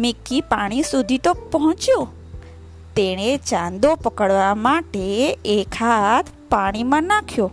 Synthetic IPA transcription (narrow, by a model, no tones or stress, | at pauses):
mikːipaɽ̃isud̪ʱit̪opɔɦɔ̃t͡ʃjo | t̪eɽ̃et͡ʃãnd̪opəkəɽʋamaʈeːkʰat̪ | paɽ̃imãnakʰjo